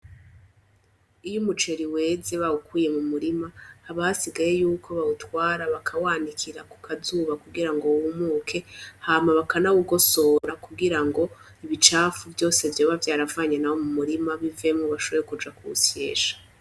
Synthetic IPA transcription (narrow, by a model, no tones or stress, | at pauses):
ijumut͡ʃe̞ɾiwe̞ːze̞βaukuːje̞mumuɾimahːβasiɡaje̞juːkʰo̞βautwaːɾaβakʰawaːndikʰiɾaku̥kʰazuːβakuɡiɾaŋɡo̞wumuːkʰe̞haːmaβakanawuɡo̞so̞ːɾakuɡiɾaŋɡo̞ | iβit͡ʃaːfuvjo̞ːse̞vjoːβavjaːɾavaːɲenawo̞mumuɾimaβive̞mŋoβaʃo̞βo̞ɾekud͡ʒakuṵse̞ːʃḁ